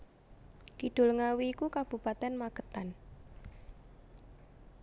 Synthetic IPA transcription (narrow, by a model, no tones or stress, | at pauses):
kiɖ̪̥o̤lŋawiːkukab̥ṳpat̪ɛnmaɡ̥ət̪an